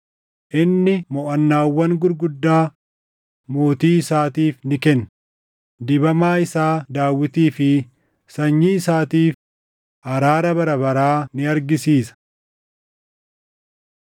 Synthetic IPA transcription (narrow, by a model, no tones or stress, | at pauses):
ʔɪnːɪmɔʔɐnːaːwːɐŋɡʊɾɡʊd̪ːaː | mo̞ːt̪iːɪsaːt̪iːfnɪkɛnː | d̪ɪbɐmaːɪsaːd̪aːwːɪt̪iːfɪ | sɐɲːiɪsaːt̪iːf | ʔɐɾaːɾɐbɐɾɐbɐɾaːnɪɐɾɡɪsiːsɐ̥